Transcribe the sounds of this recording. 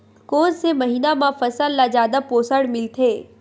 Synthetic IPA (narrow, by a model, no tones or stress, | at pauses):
koːnsemɐɦiːnamãfɐsəlːazjaːd̪apoːsəɽmɪlt̪ʰeː